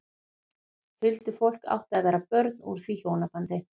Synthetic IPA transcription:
hɪlt̪ʏfol̥ka̰wht̪avɛːɾapœɾt̪nṵɾ̥θiçoːwnapant̪ɪ

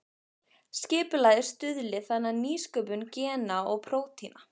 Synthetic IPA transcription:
scɪːpʏlaːjðɪɾ̥st̪ʏðlɪθanːaniːskœːpʏncɛːnaɔɣpʰɾoːwt̪ʰina

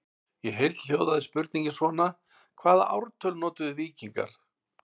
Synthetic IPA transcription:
jɛɦejlt̪l̥joːwðaðɪspʏɾt̪niɲcɪsvɔːna | kʰvaːðaʔa̰wɾt̪ʰœlnɔːt̪ʏðʏviːciŋka̰ɾ̥

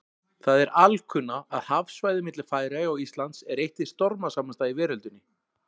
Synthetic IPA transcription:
θaðɛɾʔalkʰʏnːaaðhafsvajðɪmɪt̪lɪ̥faːjɾajɔɣist̪lant̪sɛɾejht̪ɪ̥st̪ɔɾmasaːmanst̪aivɛːɾʏlt̪ʏnːɪ

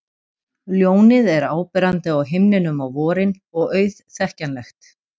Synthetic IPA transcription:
ljoːwnɪðɛɾaːwpɪɾant̪ɪawɦɪmnɪnʏmawvɔːɾɪn | ɔɣœːɥθθɛhcanlɛxt̪

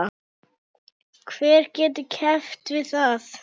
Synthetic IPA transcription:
kʰvɛːɾ̥cɛːt̪̬ɪcʰɛft̪vɪðθaθ

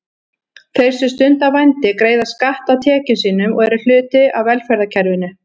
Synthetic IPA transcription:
θejɾ̥sʏst̪ʏnt̪avajnt̪ɪkɾeːjðaskaht̪awt̪ʰɛːcɪsiːnʏmɔɣɛɾʏl̥ʏːt̪ɪawvɛlfɛɾðacʰɛɾvɪnʏ

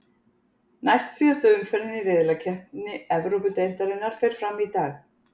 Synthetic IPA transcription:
najst̪siːðast̪ʏʏmfɛɾðɪniɾɪðlacʰɛhpɪnːɪɛvɾowpʏt̪ejl̥t̪aɾɪnːaɾ̥fɪɾ̥fɾamit̪aːɣ

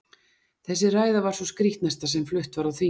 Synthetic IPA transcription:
θɛsːɪraːjðavaɾ̥sɔskɾiht̪nast̪asɛmflʏht̪vaɾawθiː

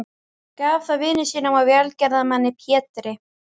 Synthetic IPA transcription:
kaːvθaðvɪːnɪsiːnamawvjɛalcɛɾðamanːɪpʰjɛːt̪ɾɪ

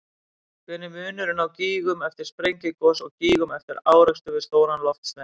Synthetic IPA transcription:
kʰvɛnʏmʏːnʏɾɪnawciːɣʏmɛft̪ɪɾ̥spɾejɲcɪkɔsɔɣciːɣʏmɛft̪ɪɾaːwɾɛkst̪ʏvɪðst̪oːwnanlɔft̪sna

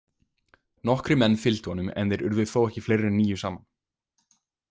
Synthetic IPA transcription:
nɔhkɾʏmɛnːfɪlt̪ʏhɔnːʏmɛ̰nðɪɾʏ̰ɾvɪðθowɛhcɪflejrɪniːjʏsaːman

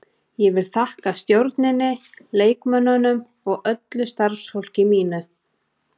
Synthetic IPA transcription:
jɛvɪlθahkast̪jowɾt̪nɪnːɪleːjkmœnːʏnʏm | ɔɣœt̪lʏst̪aɾfsfowl̥cɪmiːnʏ

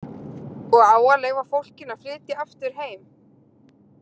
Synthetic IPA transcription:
ɔɣaːwaleːjɣvafowl̥cɪnaflɪːt̪ɪaft̪ʏɾ̥ɦeːjm

